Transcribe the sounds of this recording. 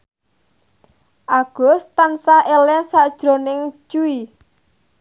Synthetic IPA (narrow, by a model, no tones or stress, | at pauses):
ʔaɡ̥ɔ̤st̪ansaʔelɛsad̥ʒ̥ɾo̤nɪŋt͡ʃui